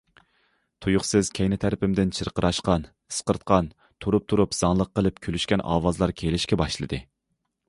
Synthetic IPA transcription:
t̪ʰujʊχsɨz̥kʲʰɛjnɪt̪ʰæɾɪpɪmd̪ɪnt͡ʃʰɨɾqəɾʔɑʃqɑn | ɨ̥sqəɾt̪̚qʰɑn | t̪ʰuɾup̚t̪ʰuɾupz̥ɑŋlˠəqːəlˠɨpkʲʰølyʃkʲɛnʔɑ̰ːwɑzlˠɑɾkʲʰelɪʃkʲɛbɑʃlˠɨ̰d̪ɨ

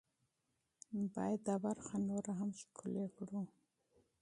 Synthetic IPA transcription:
bɑ̰jad̪awaɾxanoɾaɦamʃkʰulekɽu

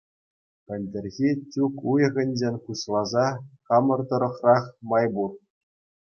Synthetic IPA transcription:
pʲɘ̆lʲdʲɘ̆rʲɣʲitʲukujɤ̆ɣʲɘ̆nʲd͡ʑenʲχuɕlˠɑzɑχɑmɤ̆rd̪ɤ̆ɾɤ̆χrɑχmɑjbur

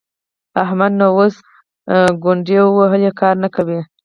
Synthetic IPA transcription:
ahmad̪nowos | ɡʊɳɖewəwaɦəljekʰɑɾnakawi

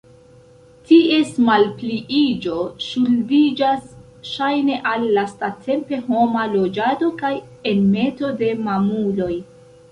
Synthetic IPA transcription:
tie̞smalpliʔid͡ʒo̞ʃulbid͡ʒas | ʃajne̞ʔalːastatʰe̞mpe̞ɦo̞malo̞d͡ʒado̞kaj | e̞nme̞to̞de̞mamulo̞j

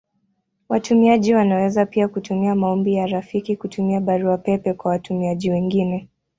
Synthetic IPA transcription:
watumiaʄiwanawɛzapiakutumiamaɔmbijaɾafikikutumiaɓaɾuapɛpɛkwawatumiaʄiwɛŋɡinɛ

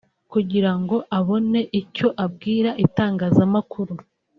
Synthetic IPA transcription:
kuɟiɾaŋɡo̞ʔaβo̞ne̞ʔico̞ʔab̚ɡiːɾaʔitaːŋɡaːzamakʰuɾu

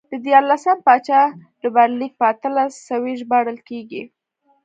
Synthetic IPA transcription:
d̪̥əd̪jɑɾlasəmpɑt͡ʃɑlubaɾlik̚pəat̪əlasawiʒbɑɽəlkeɡḭ

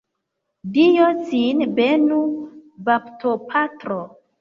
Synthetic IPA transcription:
dijosinbenubaptʰopʰatɾo

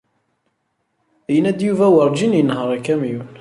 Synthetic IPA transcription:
jənæd̪juvæwəɾˤd͡ʒinjənːhəɾˤækːæmjun

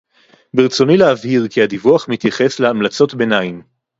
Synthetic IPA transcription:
biʁt͡so̞nileavhiʁkiadivuaχmit̪jaχe̞sleamlat͡so̞tbenaim

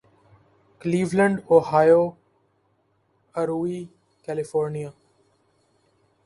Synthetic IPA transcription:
kəliːʋləɳɖoːhaːjoː | əɾuːiː | kɛːlɪfoːɾnijaː

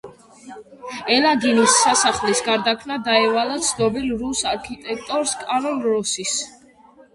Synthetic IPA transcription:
ɛlaɡinisːasaχlisɡaɾd̪akʰnad̪aɛvalˠat̪sʰd̪ɔbilɾusaɾkʰit̪ʼɛk̚ʰt̪ʼɔɾskʼanɔnɾɔsis

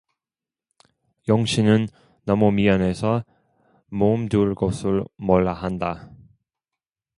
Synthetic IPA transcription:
jʌŋɕʰinɯnː | ʌmumiʌne̞sʰʌ | momduɭkʌsʰɯɭmʌɭːaɦanda

